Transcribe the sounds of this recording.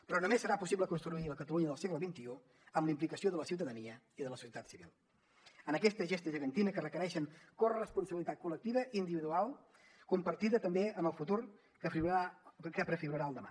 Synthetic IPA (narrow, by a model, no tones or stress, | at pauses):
pɾɔnumesːəɾapusiβləkunst̪ɾuiləkət̪əluɲəðəlˠseɣləβint̪iu | əmlimplikəsioðələsiuwt̪əðəniə | iðələsu̥siət̪at̪siβḭlˠ | ənəkɛst̪əʒest̪əʒəɣənt̪inəkərəkəɾɛʃəŋkorrrəspunsəβilit̪at̪̚kulək̚t̪iβəʔind̪iβiðualˠ | kumpəɾt̪iðət̪əmbeənəlˠfut̪uɾ | əakəpɾəfiɣuɾəɾaəlˠd̪əma̰